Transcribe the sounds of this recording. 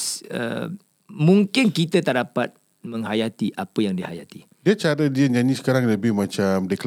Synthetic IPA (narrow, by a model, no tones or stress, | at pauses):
sə̰ | mũŋkɪnkit̪at̪aʔdapat̪̚ | mə̃ŋɦajat̪iʔapəjaŋdiha̰ja̰t̪i | diat͡ʃaɾədiəɲaɲĩsə̥kaɾaŋləbɪhmãt͡ʃamdikəl